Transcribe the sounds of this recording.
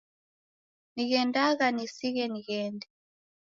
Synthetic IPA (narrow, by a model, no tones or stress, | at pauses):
niɣɛndaɣanisiɣɛniɣɛːndɛ